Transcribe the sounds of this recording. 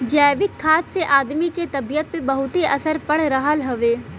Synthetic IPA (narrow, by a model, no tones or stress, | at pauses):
d͡ʒɛːʋɪkʰːaːt̪seʔaːd̪miket̪ɐbijət̪̚pebɐɦʊt̪iʔɐsəɾpɐɽ̤ɾɐɦəlɦɐʋeː